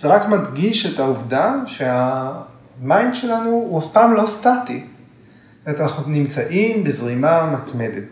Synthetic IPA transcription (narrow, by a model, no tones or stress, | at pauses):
z̥eʁakmadɡiʃetauvdaʃea | majinʃe̞lanuuaftamlo̞stati | etanaχunimt͡saʔimbezʁimamatme̞det